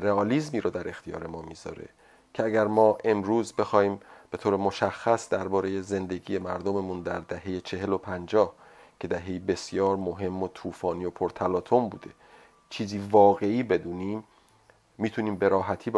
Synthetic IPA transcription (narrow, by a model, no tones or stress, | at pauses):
reɒːliːzmiːɾɔːd̪æɾe̞xt̪ʰijɒ̰ːɾe̞mɒːmiːzɒ̰ɾḛ | cʰeæɟæɾmɒːʔe̞mɾuːzbe̞xɒːhiːmb̥e̞t̪ʰoːɾemo̞ʃæxːæsd̪æɾbɒːɾe̞je̞ze̞nd̪e̞ɡiːje̞mæɾd̪o̞me̞muːnd̪æɾd̪æɦe̞jet͡ʃʰe̞ɦe̞lo̞pʰænd͡ʒɒːh | cʰe̞d̪æɦe̞jibe̞sjɒːɾmoɦe̞mːot̪ʰuːfɒːniːo̞pʰoɾt̪ʰælɒːt̪ʰo̞mbṵːd̪e̞ | t͡ʃʰiːziːvɒːɣe̞iːbe̞d̪uːniːmː | iːt̪ʰuniːmbe̞ɾɒːɦæt̪ʰiːb